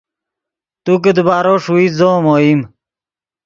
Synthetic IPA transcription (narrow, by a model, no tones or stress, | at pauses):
t̪uked̪baːɾoːʂuizoːmoːim